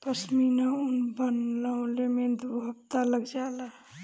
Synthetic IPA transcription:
pəsminaunbənlawlemẽd̪bʱəbt̪aləɡd͡ʒala

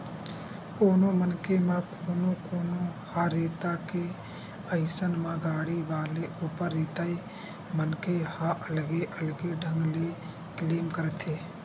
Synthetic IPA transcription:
koːnõmənkemãkooːnokoːnohaːɾeːt̪ake | əɪsənmãɡaːɽiʋaːleʔuːpəɾːeːt̪ai | mənkehaʔəlɡeʔəlɡeɖʱə̃ŋɡle | kleːmkəɾt̪ʰeː

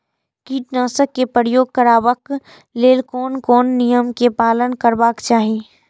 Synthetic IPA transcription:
kiːʈnaːsəkːepɾɾəjoːɡ̚kəɾaːʋək | leːlkɔːnkɔːnːijəmkepaːlənkəɾbaːkt͡ʃaːɦieː

